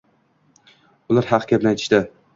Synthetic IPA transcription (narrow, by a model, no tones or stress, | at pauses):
ʊlaɾhɑqʰkʲapnajt̪ʰɪ̥ʃt̪ɪ